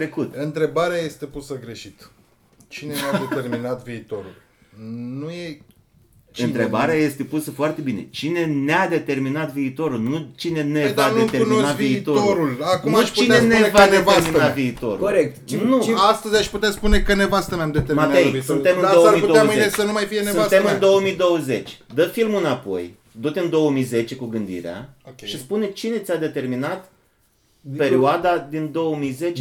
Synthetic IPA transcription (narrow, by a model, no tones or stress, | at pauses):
ɾe̞kut̪ɨnt̪ɾe̞baɾeaje̞st̪e̞pusəɡɾe̞ʃit̪ | t͡ʃinennead̪et̪erminat̪viːt̪o̞ɾṵl | nuje | ɨnɾe̞baɾeaje̞st̪e̞pusəfoart̪e̞bine̞̰t͡ʃine̞nead̪e̞t̪e̞rminat̪viːt̪o̞ɾulnut͡ʃine̞nevad̪meɾmunonaviːt̪ooɾulakumnaʃpt͡ʃuinenevaedneteɾminaviːt̪o̞ɾṵkoɾek̚t̪nuast̪əzʲaʃput̪easpune̞kənevast̪əmamd̪et̪eɾmat̪ejisune̞mɨnoəmijputd̪oaəzɨieesənumajfijeneuvat̪emɨnd̪o̞wəmijd̪o̞wəze̞t͡ʃʲd̪əfilmɨnapo̞̰j | d̪ut̪ɨnd̪o̞wəmijze̞t͡ʃe̞kuɡɨnd̪ḭɾea̰ʃispune̞t͡ʃine̞t̪sʲad̪e̞t̪e̞rminat̪ | pe̞ɾioad̪ad̪ind̪o̞wəmijze̞t͡ʃ